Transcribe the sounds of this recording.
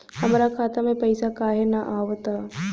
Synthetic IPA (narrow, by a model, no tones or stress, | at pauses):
hɐmɾakʰaːt̪amẽpɐɪsakaːɦenaʔaːʋt̪a